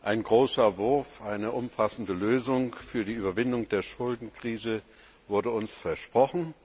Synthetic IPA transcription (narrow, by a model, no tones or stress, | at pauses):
ʔaɪnɡʁoːsɐvʊɐfʔaɪnəʔʊmfasn̩dəløːzʊŋfyːɐdiːʔyːbɐvɪndʊŋd̥eːɐʃʊldn̩kʁ̥iːzə | vʊɐdəʊnsfɛɐʃpʁ̥ɔχn̩